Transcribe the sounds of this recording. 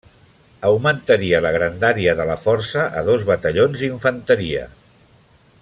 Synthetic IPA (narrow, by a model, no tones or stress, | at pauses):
əwmənt̪əɾiələɣɾənd̪aɾiəðələfɔɾsəʔə̰ðozβət̪əʎonziɱfənt̪əɾiə̰